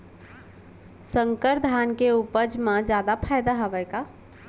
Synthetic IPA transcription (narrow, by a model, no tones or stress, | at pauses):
səŋkəɾd̪ʱankeupəd͡ʒmãd͡ʒjad̪apʰajd̪aɦəbɛjka